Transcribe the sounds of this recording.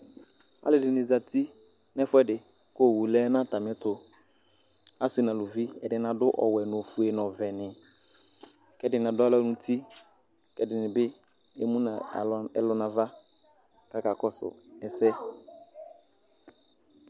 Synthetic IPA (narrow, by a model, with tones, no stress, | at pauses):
a̰˦lɪ˨dɪ˨nɪ˨za˨tʰi˦ | nɛ˦fʊ˦ɛ˦dɪ˨ | ko˦˨wu˨lɛ˦na˦ta˨mɛ˨˦tʊ˨ | a˦sna˨lo˨vi˦ɛ̰˨dɪ˨na˨dʊ˦ʔɔ˨wɛ˨nʊ˨fu˨e˨nɔ˨vɛ˨nɪ˨ | kɛ˨dɪ˨n˨a˨dʊ˦a˦lɔ˦nũ˦ti˦ | kɛ˨dɪ˨nɪ˨bɪ˦ | ḛ˦mũ˦na˨˦ɛ̰˦lʊ˨na˨va˦ | ka˦ka˨kɔ˦sʊ̰˨ | ɛ˨sɛ˦